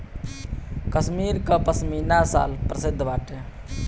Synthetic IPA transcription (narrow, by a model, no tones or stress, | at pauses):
kəsmiːɾkapəsmiːnasa̰ːlpɾəsɪd̪ʱːbaːʈe